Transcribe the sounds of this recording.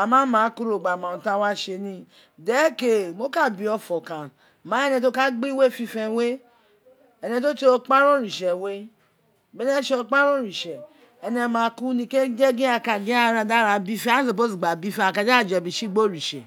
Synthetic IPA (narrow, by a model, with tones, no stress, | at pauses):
a˨mã˦mã˨˦ku˦ɾo˨ɡ͡ba˨mã˨ũ˨ta˧˦wa˦ʃe˧nĩ˧ | dɛ˨˦ke˨mo˦ka˦˨bi˨˧ɔ˧fɔ˨kã˨ | mã˨˦ɛ˦nɛ̃˧˨t̬o˦ka˦ɡ͡bi˦we˦˨fi˧fɛ˧we˦ | ɛ˧˨nɛ̃˧to˦te˧o˧k͡pa˦ɾõ˦˨ɾi˨ʃɛ˨we˦ | bɛ˨˦nɛ˦ʃe˧o˧k͡pa˦ɾõ˦ɾi˨ʃɛ˨ | ɛ˧nɛ˧mã˨˦ku˦nĩ˧ke˦d͡ʒe˦ɡĩ˦a˧˨ka˧ɡĩ˦a˦˨ɾa˧da˦ɾa˨˧bi˦fe˦a˦so˨p̬o˦˨si˨ɡ͡ba˨bi˦fe˦a˨ka˧d͡ʒd͡ʒbi˨ʃi˦ɡ͡bo˦˨ɾi˨ʃɛ̰˨